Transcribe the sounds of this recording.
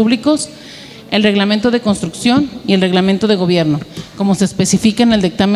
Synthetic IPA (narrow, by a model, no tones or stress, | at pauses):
uβliko̞s | elre̞ɣlament̪oð̞e̞ko̞nst̪ɾuksjo̞nielre̞ɣlame̞nt̪o̞ðe̞ɣo̞βje̞ɾno̞ko̞mo̞se̞ːspe̞sifikaeneld̪ik̚t̪am